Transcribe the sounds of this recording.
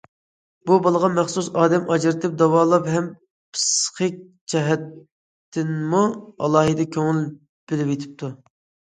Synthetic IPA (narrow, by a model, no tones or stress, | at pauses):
bubɑlˠəʁɑmɛχsusɑːd̪ɛmʔɑd͡ʒɪɾɪt̪ʰɪp̚d̪ɑwɑːlˠɑpɦɛm | pʰɨ̥sqək̚ʲ | t͡ʃʰɛɦɛt̪ʰː | ɪnmuɑ̰lˠɑːɦɨd̪ɛkʲʰøŋɪl | b̥ɪlɪpjet̪ʰɪ̥p̚t̪ʰu